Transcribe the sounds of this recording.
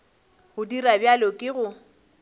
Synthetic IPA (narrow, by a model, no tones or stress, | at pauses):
hʊdirabjalokʼɪɣʊ